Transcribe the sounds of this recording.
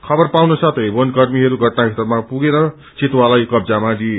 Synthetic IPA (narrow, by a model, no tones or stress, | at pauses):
kʰʌbʌrpawnosʌt̪ʰʌjbonkʌrmiɦʌɾuɡʱʌʈnaɦit̪ʌrmapuɡeɾʌ | t͡sit̪walajkʌbd͡zamad̪ie